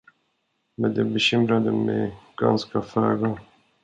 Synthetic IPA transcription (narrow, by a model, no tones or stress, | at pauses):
mɛnd̪ɛbɛɕʏmɾad̪əmɛjɡ̥a̰nskafœ̰ːɡa